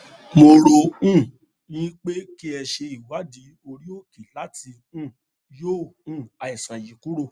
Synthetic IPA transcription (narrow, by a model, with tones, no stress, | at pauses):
mo˧ɾo˧ũ˦˨ | jĩ˦k͡pe˦ki˦ɛ˧ʃe˧i˨wa˨˦di˨˦o˧ɾi˦o˦˨ki˨la˨˦tʰi˧ | ũ˦˨ | jõ˦˨˦a˨i˨sã˨ji˨˦ku˦ɾo˦˧˨